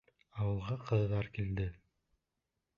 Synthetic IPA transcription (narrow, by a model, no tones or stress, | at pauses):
ɑwɤ̆lˠʁɑqʰɤ̆ððɑɾkild̪ɪ